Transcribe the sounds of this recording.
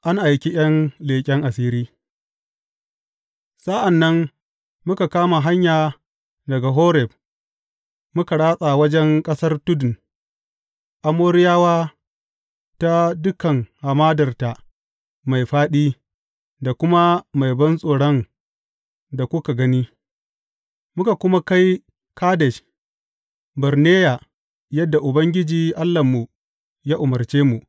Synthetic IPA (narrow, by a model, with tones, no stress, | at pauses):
ʔa˦ŋʔa˨jkʲi˦j̰ɐ˦nleː˨kʲʼɛ˦ŋʔa˨siː˦ɾiː˦ | sa˦ʔa˨nːɐ˦m | mʊ˦ka˨kaː˦ma˨ɦa˦ɲjaː˨ | dɐ˨ɡa˨ɦoː˦ɾɛ˨b̚ | mʊ˦ka˨ɽaː˦sʼa˨wɐ˦d͡ʒɛ˦ŋkʼɐ˦sɐ˦rtʊ˦dʊ˨n | ʔa˨moː˦ɾɪ˦jaː˦waː˦ | ta˦dʊ˦kɐ˨ŋha˨maː˦dɐ˨rta˨ | ma˨jɸaː˦ɗiː˦ | da˨kʷʊ˦ma˦ma˨jbɐ˦nsʼoː˨ɽɔ˦n | da˨kʷʊ˦ka˨ɡɐ˦niː˦ | mʊ˦ka˨kʷʊ˦ma˦ka˦j | kaː˦dɛ˨ʃ | bɐ˨rneː˦ja˨ | jɐ˦dːa˨ʔʊ˨bɐ˦ŋɡʲɪ˦d͡ʒiː˨ʔa˦lːɐ˨mːu˨ | ja˦ʔʊ˨mɐ˨rt͡ʃeː˦mu˨ʔ